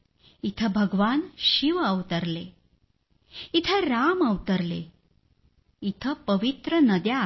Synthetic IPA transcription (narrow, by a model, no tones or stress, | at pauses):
it̪ʰəbʱəɡʋanɕiʋəwt̪əɾle | it̪ʰəɾaməwt̪əɾlḛ | it̪ʰəpəʋit̪ɾənəd̪ja